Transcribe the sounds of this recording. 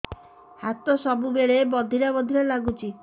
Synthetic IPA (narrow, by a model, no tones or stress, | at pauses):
hat̪osɔbubeɭebɔd̪ʱiɾabɔd̪ʱiɾelaɡut͡ʃʰi